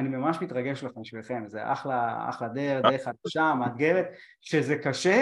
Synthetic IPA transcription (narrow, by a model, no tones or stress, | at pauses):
animamaʃmit̪ʁaɡeʃleχemiʃvilχe̞mzḛʔa̰χlaa̰χlad̪eʁd̪eʁeχat̪ʃamat̪̚ɡevet̪ | ʃezekaʃe